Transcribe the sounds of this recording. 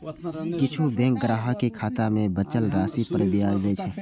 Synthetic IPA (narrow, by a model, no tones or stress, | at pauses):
kɪt͡ʃʰubɛ̃ːŋk̚ɡɾaːɦəkikʰaːt̪amẽbət͡ʃəlɾaːsipəɾbiaːid͡ʒəit͡ʃʰɛ